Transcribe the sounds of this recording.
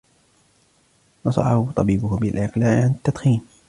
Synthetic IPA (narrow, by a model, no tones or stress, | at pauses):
nɑsˤɑ̰ħahʊt̪ˤɑbiːbʊhbɪlʕɪqlaːʕʕanɪt̪ːad̪xiːn